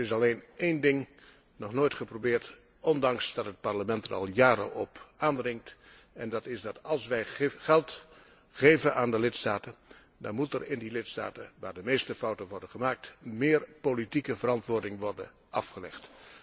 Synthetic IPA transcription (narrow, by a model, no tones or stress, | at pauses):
ɪs̬ɑlejnejndɪŋ | nɔχnoːjtχəprobɪːɹt | ɔndɑŋsdɑtɦət̚pɑɹləmɛntəɾɑ̰lˠjaːɾə̰ʔɔpaːndrɪŋt | ɛndɑtɪsdɑtɑlˠsʋɛjχɛlˠt | χejvənʔaːndəlɪtstaːtən | dɑ̰nmutɛrɪndilɪtsta̰ːtəʋaːɹdəmejstəfɑwtəʋɔɹdənχəmaːk̚tmɪːɹpolitikəvəɾɑntʋʊːɹdɪŋʋɔrdən | ʔɑfχəlɛ̰χt